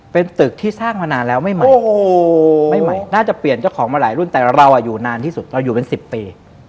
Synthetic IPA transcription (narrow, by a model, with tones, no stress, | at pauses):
pe˧nt̪ɯ˨˩k̚t̪ʰiː˥˩saː˥˩ŋmaː˧naː˧nlɛː˦˥wma˥˩jma˨˦˨ | ma˥˩jma˨˩jnaː˥˩t͡ɕa˨˩pli˨˩ənt͡ɕa˥˩wkʰɔː˩˦ŋmaː˧ɾaː˩˦jɾu˥˩nt̪ɛː˨˩ɾa˧wʔaː˨˩juː˨˩naː˧nt̪ʰiː˥˩su˨˩t̪̚ɾa˧wjuː˨˩pe˧nsi˨˩pːiː˧